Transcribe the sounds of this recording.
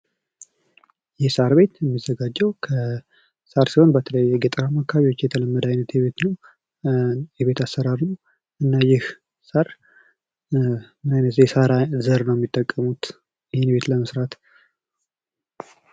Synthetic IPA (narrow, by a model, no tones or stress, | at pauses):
jɛhsaɾbe̞t̪jɛmːizːəɡad͡ʒːɛwkʰə | saɾsiho̞nbət̪ʰələjːɛɡɛt̪ʼəɾamakʰːaβiwo̞t͡ʃːjɛt̪ʰələmːəd̪ajnət̪jɛβe̞t̪nəw | jɛβe̞t̪ʰasːəɾaɾnəw | ʔɨnːajɪh | saɾ | mɨnajnət̪zɛsaɾazəɾnəwjɛmːit̪ʼːəkʼːəmut̪ | jɪhɪnbe̞t̪ləməsɾat̪